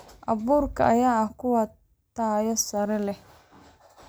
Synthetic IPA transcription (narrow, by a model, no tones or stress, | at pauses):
ʔɐβuːrkʰɐ̰ʔɐjaːɐhkʰʊwɐ | t̪aːjɔsɐɾɛlɛh